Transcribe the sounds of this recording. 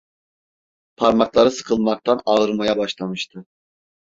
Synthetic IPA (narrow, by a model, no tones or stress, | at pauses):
pʰaɾmaklˠaɾɯsɯ̥kʰɯlˠmak̚t̪ʰanaɯɾmajabaʃlˠamɯʃt̪ʰɯ